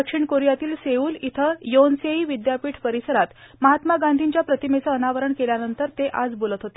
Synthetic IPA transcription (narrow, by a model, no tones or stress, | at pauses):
əkʂiɳkoɾijat̪iːlseuːlit̪ʰəjonseiːʋid̪japiːʈʰpəɾisəɾat̪ | məɦat̪maɡand̪ʱiɲt͡ɕjapɾət̪imet͡səːnaʋəɾəɳkeljanənt̪əɾt̪eʔad͡zbolət̪ɦot̪e̥